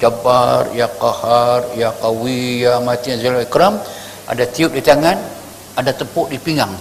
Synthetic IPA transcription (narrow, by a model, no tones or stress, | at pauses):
d͡ʒabarjakaharjakawijamat̪ianzalaikɾam | ʔa̰dat̪iuʔ̚dit̪aŋan | adat̪əpʊʔdipiŋaŋ